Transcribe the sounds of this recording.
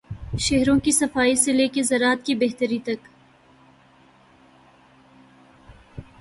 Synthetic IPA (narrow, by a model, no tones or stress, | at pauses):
ʃeɦɾõkisɐfaːiseleːkezɐɾaːt̪kibeɦt̪əɾit̪ɐk